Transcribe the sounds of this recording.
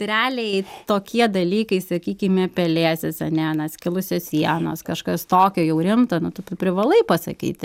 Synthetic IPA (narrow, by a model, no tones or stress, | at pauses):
t̪ɾʲæːlʲejɪt̪oːkʲiɛd̪ɐlʲiːkɐɪsɐkʲiːkʲɪmʲɛpʲɛlʲeːsʲɪsɐnʲɛnɐskʲɪlˠʊsʲoːssʲiɛnoːskɐʃkɐst̪oːkʲɛːjɛʊɾʲɪmt̪ɐnʊt̪ʊptʊpʲɾʲɪʋɐlˠɐɪpɐsɐ̰kʲḭːt̪ʲ